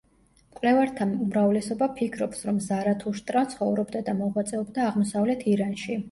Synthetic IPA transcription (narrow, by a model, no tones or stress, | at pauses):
kʼwlɛvaɾt̪ʰaumɾavlɛsɔbapʰikʰɾɔpsɾɔmzaɾat̪ʰuʃt̪ʼɾat̪sʰχɔvɾɔbd̪ad̪amɔʁwat̪sʼɛɔbd̪aːʁmɔsavlɛt̪ʰiɾanʃi